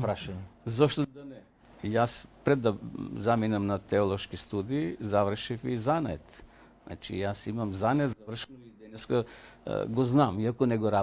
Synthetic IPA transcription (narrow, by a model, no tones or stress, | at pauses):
pɾaʃaɲɛzɔʃt̪od̪anɛ | jaspɾɛd̪ːazaminamnat̪ɛolˠoʃkist̪ud̪iːzavr̩ʃifizanɛ̰t̪ | na̰t͡ʃḭjasimamzanɛt̪zavr̩ʃɛnoid̪ɛnɛska | ɡoznamiakonɛɡoɾa